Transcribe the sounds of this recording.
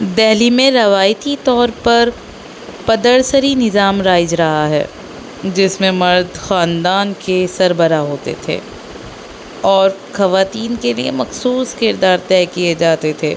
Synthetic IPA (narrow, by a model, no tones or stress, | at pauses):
d̪ɛɦlimẽɾɐʋaːjt̪it̪ɔːɾpɐɾ | pɐd̪əɽsəɾinɪzaːmɾaːɪd͡ʒɾɐɦaɦɛ̰ː | d͡ʒɪsmẽmɐɾd̪xaːnd̪aːnkesɐɾbəɾaɦoːt̪ḛt̪ʰḛː | ɔːɾxɐʋaːt̪iːnkelḭḛmɐxsuːskɪɾd̪aːɾt̪ɛːkied͡ʒaːt̪et̪ʰeː